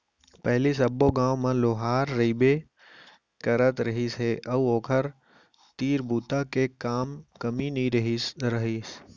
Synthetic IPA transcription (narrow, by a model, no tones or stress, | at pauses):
pɐɦlisɐbːoɡãːʋmãloːɦaːɾːɐibe | kɐɾət̪ɾɐɦiːsɦeʔɐʋoːkʰəɾ | t̪iːɾbuːt̪akekaːmkɐminĩɾɐɦisɾɐɦiːs